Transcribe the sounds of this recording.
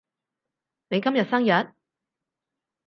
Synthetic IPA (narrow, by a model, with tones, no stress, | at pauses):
ne˨˧jkɐ˥mjɐ˨t̚sɐ˥ŋjɐ˨t̚